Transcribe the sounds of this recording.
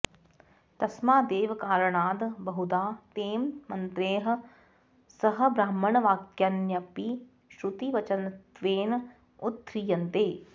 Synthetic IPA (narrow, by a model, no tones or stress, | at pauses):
t̪ɐsmaːd̪eːʋkaːɾəɳaːd̪bɐɦud̪aːt̪eːmmɐnt̪ɾeːɦɐ̆ | sɐɦɐ̆bɾaːmːɐɳɐʋaːkjɐnjɐpi | ʃɾut̪iʋɐt͡ʃɐnt̪ʋeːn | ut̪ːɾijɐnt̪eː